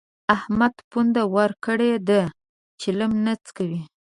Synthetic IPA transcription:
ahmad̪pund̪awaɾkəɽed̪ə | t͡ʃeləmnat͡skawi

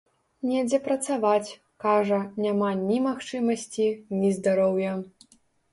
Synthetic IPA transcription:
nʲɛd͡zʲɛpɾɐt̪savat͡sʲ | kaʐɐnʲamanʲimaxt͡ʂɨmɐsʲt͡sʲinʲizd̪aɾɔwjɐ

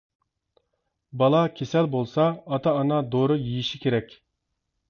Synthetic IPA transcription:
bɑlˠɑkʲʰesɛlbolˠsɑːt̪ʰɑːnɑd̪oɾʊjijiʃikʲeɾɛkʲ

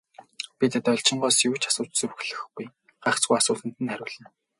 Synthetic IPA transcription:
pʲit̪et̪œɮʲt͡ɕɪ̆ɴɢɔːsjuwʰt͡ɕḁsʊːt͡ɕt͡sɵɾ̆xɮɘ̆xpuj | ɢaχt͡sɡujasʊːt̪ə̆n̥t̪ɘ̆nχæɾʲʊːɮɘ̆n

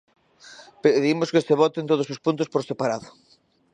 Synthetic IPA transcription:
peðimʊskeseβɔt̪ent̪oðʊsospunt̪ʊspoɾsepaɾaðʊ

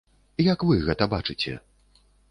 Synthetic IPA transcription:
jɐkvɨɣɛt̪ɐbat͡ʂɨt͡sʲɛ̰

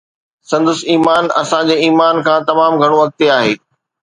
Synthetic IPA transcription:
sɐ̃nd̪ʊsiːmaːnɐ̰sãd͡ʑeːiːmaːnkʰãːt̪ɐmaːmɡʱɐɽ̃oʋɐk̚t̪eaːɦeː

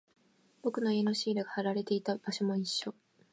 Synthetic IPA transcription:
b̥o̞kɯ̟no̞ieno̞ɕiːɾɯɡahaɾaɾe̞t̪e̞it̪ab̥aɕo̞mo̞iɕːo̞

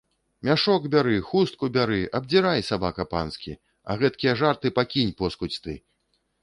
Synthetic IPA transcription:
mʲaʂɔɡbʲaɾɨxust̪̚kubʲaɾɨʔɐb̚d͡zʲiɾajsabakɐpa̰nskʲi | ɐ̰ɣɛt̪kʲijɐʐart̪ɨpakʲinʲpɔskut͡sʲt̪ɨ

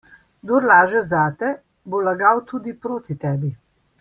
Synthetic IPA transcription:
ɡd̪oɾlaːʒɛzaːt̪ɛ | bolaɡaːwt̪uːd̪ipɾoːt̪it̪ɛːbi

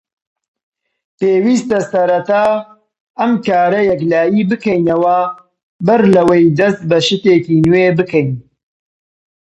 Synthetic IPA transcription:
peːwiːst̪ɐsɐɾɐt̪aː | ɐmkaːɾɐjɐklaːjiːbɨkɐjnɐwɐ | bɐɾlɐwejd̪ɐst̪̚bɐʃɨt̪eːkiːnweːbɨkɐjn

